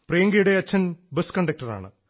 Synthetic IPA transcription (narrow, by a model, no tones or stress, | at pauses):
prejɐŋɡɐjuɽeɐt͡ɕːɐnbeskɐɳɖɐk̚ʈɐra̰ːɳɨ̰